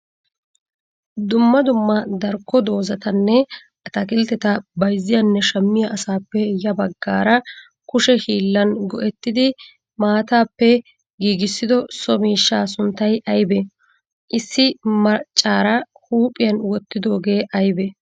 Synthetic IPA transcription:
d̪ʊmːɐd̪ʊmːɐd̪ɐɾkːɔd̪o̞ːzɐt̪ɐnːɛ | ʔɐt̪ɐkɪlt̪ɛt̪ɐbɐjzːɪjɐnːɛʃɐmːɪjɐʔɐsaːpːɛjɐbɐɡːaːɾɐ | kʊʃɛhiːlːɐnɡɔʔɛt̪ːɪd̪ɪ | maːt̪aːpːɛ | ɡiːɡɪsːɪd̪ɔsɔmiːʃːaːsʊnt̪ːɐjʔɐjbɛ | ʔɪsːɪmɐt͡ʃʼːaːɾɐhuːpʼɪjɐnwɔt̪ːɪd̪o̞ːɡe̞ːʔɐjbɛ

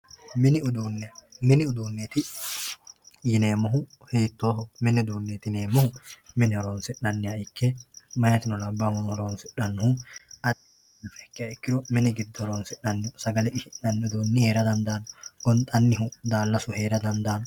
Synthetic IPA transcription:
mɪnɪʊd̪uːnːɛmɪnɪʊd̪uːnːet̪ɪ | jɪne̞ːmɔɦʊ | heːt̪ːoːhɔmɪnɪʊd̪uːnːeːt̪ɪne̞ːmːɔhʊmɪnɪɔɾoːnsɪᶑːɐnːɪjɐɪkʰːɛmɐjɐt̪ɪnɔlɐbːamʊnhɔɾoːnsɪᶑːɐnːʊhʊɐd̪ɪ | lfɛkːɪjɐɪkːɪɾɔmɪnɪɡɪd̪ːɔɾoːnsɪᶑɐnːɪʊsɐɡɐlɛʔɪʃɪʔɐnːʊd̪oːnːɪheːɾɐd̪ɐnd̪aːnɔɡɔnt̪ʼɐnːɪɦʊd̪aːlːɐsʊheːɾɐd̪ɐnd̪aːnɔ

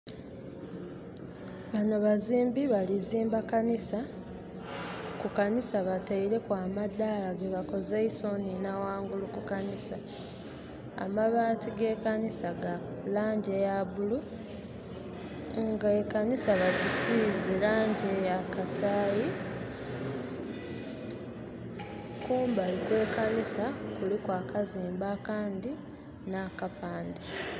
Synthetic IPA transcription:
βano̞βaziːmbiβaliziːmbakanisa | kukanisaβataiɾe̞kwaːmadːalaɡe̞βako̞zeiso̞ninawaːŋɡulukukanisa | a̰maβaːtiɡe̞kanisaɡa | laːɲɟe̞jaβulu | ŋɡaekanisaβaɟisizelaːɲɟe̞jakasaːji | kuːmbalikwe̞ːkanisakulikwaːkaziːmbakaːndi | naːkapaːnda

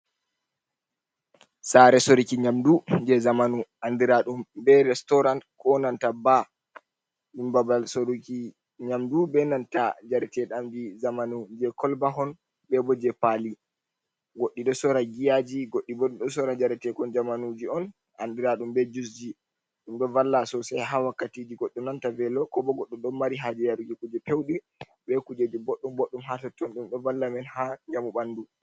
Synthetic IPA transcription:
saɾɛsoɾikiɲamdund͡ʒɛzamanuandiɾaɗumbɛɾɛstɔɾantkɔnantaba | imbabalsoɾuki | ɲamdubɛnantad͡ʒaɾtɛɗamd͡ʒizamanund͡ʒɛkɔlbaɦɔn | bɛbɔd͡ʒɛpali | ɡoɗːiɗɔsɔɾaɡijad͡ʒiɡoɗːibɔɗuɗɔsɔɾad͡ʒaɾɛtɛkɔnd͡ʒamanud͡ʒiɔn | handiɾaɗumbɛd͡ʒus̬d͡ʒi | ɗumɗɔvalːasɔsajɦawakːatid͡ʒiɡɔɗːɔnantavɛlɔkɔbɔɡɔɗːɔɗɔmːaɾiɦad͡ʒɛjaɾud͡ʒikud͡ʒɛpewɗi | bɛkud͡ʒed͡ʒiboɗːumboɗːumɦatɔtːɔnɗumɗɔvalːamɛnhaɲamuɓandu

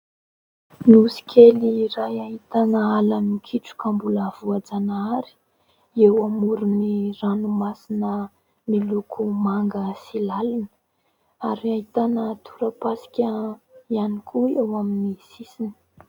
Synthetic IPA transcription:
nusi̥kʲʰelirajaɦit̪anəalamikʰiʈ͡ʂu̥kambulav̥uad͡zanaaɾi̥ | ewamuɾuniranumasinə | milukʰumaŋɡəsilalunə̥ | aɾiaɦit̪anət̪ʰuɾəpasi̥kʲəianikʰuewaminisisini̥

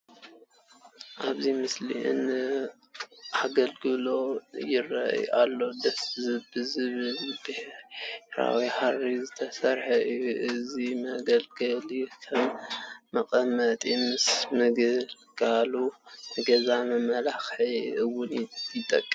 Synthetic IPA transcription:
ʔaβzimɨslḭʔɨ̰nːɨ | ʔaɡɐlɡɨlo̞jɪrɐ̰ʔjʔa̰lːo̞d̪ɐszɨbɨzɨβɨlb̪̥ih | ɾa̰wiharizɨt̪ʰɐsɐɾħɐʔɨjuʔɨzimɐɡɐlɡɨlkʰɐmːɐkʼɐmɐt̪ʼimɨsmɨɡɨl | ɡ̥alunɨɡɐzamɐmɐlaxħiʔɨwːʊnjɪt̪ʼɐkʼːɨm

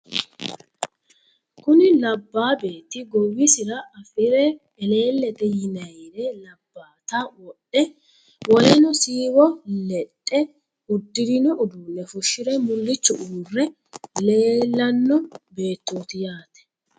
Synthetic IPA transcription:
kʊnɪlɐbːaːbe̞ːt̪ːɪɡɔwɪsɪɾɐɐfɪɾɛ | ɛle̞ːlːɛt̪ɛjɪnɐjɾɛlɐbːaːt̪ɐwɔɗːɛ | wɔlɛnɔsiːwɔlɛtʼːɛ | ʊd̪ːɪd̪ɪnɔʔʊd̪uːnːɛfʊʃːɪɾɛmʊlːɪt͡ʃːʊ̰ʔuːrːɛ | leːlːɐnːɔbe̞ːt̪ːoːt̪ɪjaːt̪ɛ̥

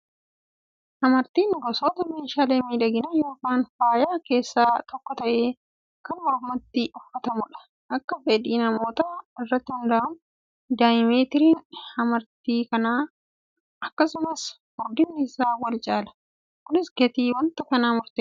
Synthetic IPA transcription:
hɐmɐɾt̪iːnɡɔsoːt̪ɐmeːʃaːleːmiːᶑɐɡɪnɐjo̞ːkaːnfaːjaːke̞ːsːaːt̪ʰɔkːɔt̪ɐʔe̞ː | kɐnwaːhʊmɐt̪ːɪʔʊfːɐt̪ɐmʊᶑɐ̥ | ʔɐkːɐfɛᶑ̪iːnɐmo̞ːt̪aɪrːɐt̪ːɪhʊnd̪ɐʔɐm | d̪aːɪmeːt̪ɪɾiːnɐmɐɾt̪iːkɐnaː | ɐkːɐsʊmɐs | hʊɾd̪ɪnːɪːsaːwɐlt͡ʃʼaːlɐ̥ | kʊnɪsɡɛt̪iːwɐnt̪ɐkɐnaːmʊɾt̪eː

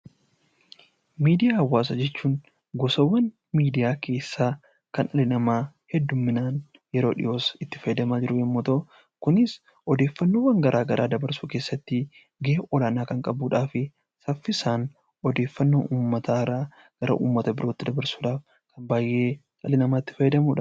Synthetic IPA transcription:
miːd̪ɪjaːɐwːaːs̬ɐd͡ʒɛt͡ʃːuːn | ɡɔsɐwːɐn | miːd̪ɪjaːkʰe̞ːsːaː | kɐnɐlɪnɐmaː | hɛd̪ːʊmːɪnaːn | jɛɾo̞ːᶑɪ̰jo̞ːsɪt̪ːɪ̥fɐjɛd̪ɐmaːd͡ʒɪɾʊjɛmːoːt̪ɐ | kʊnɪs | ɔd̪e̞ːfːɐnːoːwːɐŋɡɐɾʔaːɡɐɾʔaːd̪ɐbɐɾsuːke̞ːsːɐt̪ːɪ | ɡeʔɔlaːnaːkɐŋkʼɐbuːᶑaːfɪ | sɐfːɪsaːn | ɔd̪e̞ːfːɐnːo̰ːʔuːmːɐt̪ʰaːɪɾaː | ɡ̥ɐɾɐ̰ʔṵːmːɐt̪ɐbɪɾo̞ːt̪ːɪd̪ɐbɐɾsuːᶑaːf | kɐmbaːjʔe̞ː | ɐlɪnɐmaːɪt̪ːɪfɐjɛd̪ɐmuːᶑɐ

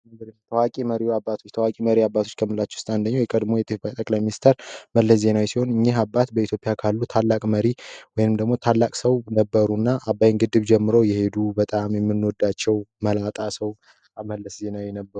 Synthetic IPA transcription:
ɨŋɡəɾɨmt̪ʰəwakʼiməɾiuabːat̪ʰot͡ʃːt̪ʰəwakʼiməɾiabːat̪ʰot͡ʃːkʰəmɨlat͡ʃːɛʊ̥st̪ʼand̪əɲːawjɛkʼəd̪mo̞jɛt̪ʼɨbajt̪ʼəkʼlajminist̪ʰəɾməlːəsze̞nawisiho̞nɨɲːeɦabːat̪bəit̪jo̞pʼɪjakʰalːut̪ʰalːakʼməɾiwɔjnɨmd̪əɡmo̞t̪ʰalːakʼsəwnəbːəɾunːaʔabːajŋɡɨd̪ːɨβd͡ʒɛmːɨɾowjɛhe̞d̪ubət̪ʼamjɛmːɨnːwoɔd̪ːat͡ʃːɛwməlat̪ʼasəw | aməlːəsze̞nawɛnəbːəɾu

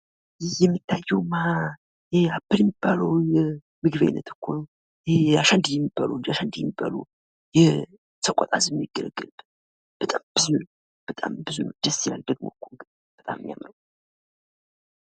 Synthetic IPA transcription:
jɪhjɛmːit̪ːajːɛwma | jabːɨljɛmːib̥ːaləwjɛ | mɨɡɨβa̰jnːət̪ʰɨ̥kʰʷːon | jɛaʃand̪jɛmːibːaləwd͡ʒaʃand̪jɛmːibːa̰lu | jɛ | səkʷʼɔ̰t̪ʼazjɛmːjiɡ̥ələɡəlb̥n | b̥ət̪ʼamb̥ɨzun | b̥ət̪ʼa̰mbɨzund̪əsijald̪əɡmokʰːoŋɡ̪ | b̥ət̪ʼammja̰mɾəw

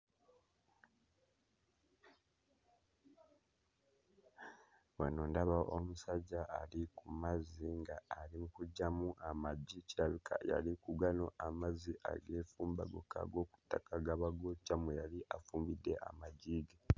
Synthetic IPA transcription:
wanoːndaβaʔomusaɟːaːlikumaziŋɡaːɾimukuɟːamuʔamaɟiciɾaβikʰa̰ja̰likuɡano̞ʔamaziʔa̰ɡe̞ːfuːmbaɡo̞̰ka̰ɡo̞ːku̥tːakaɡaβaɡocamejaliʔafuːmbidːe̞̰ʔa̰maɟiːɡe

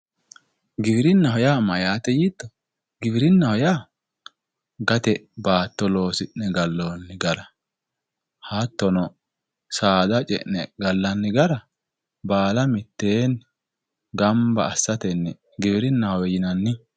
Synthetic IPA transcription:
ɡɪbɪɾɪnːɐhɔjaːmɐjaːt̪ɛjiːt̪ːɔ | ɡɪbɪɾɪnːɐhɔjaː | ɡɐt̪ɛbaːt̪ːɔlo̞ːsɪnɛɡɐlːonːɪɡɐɾɐ | hat̪ːɔnɔ | saːd̪ɐt͡ʃʼɛ̰ʔnɛɡɐlːɐnːɪɡɐɾɐ | baːlɐmɪt̪ːeːn | ɡɐmbɐ̰ːsːɐt̪ɛnːɛ | ɡɪbɪɾɪnːɐhɔwɛjɪnɐnːɪ

